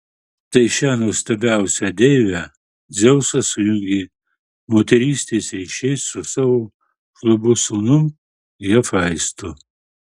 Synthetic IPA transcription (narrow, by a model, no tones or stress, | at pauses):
t̪ɐɪʃʲæːnoːst̪ɐbʲæʊsʲɛd̪ʲɛjʋʲɛ | zʲɛwsɐsʊjʊŋʲɡʲɪ | moːt̪ʲɛɾʲiːsʲt̪ʲeːsɾʲiːʃʲɛɪsːʊsaːʋoː | ʃlˠʊbʊsuːnʊm | jɐfɑɪst̪ʊ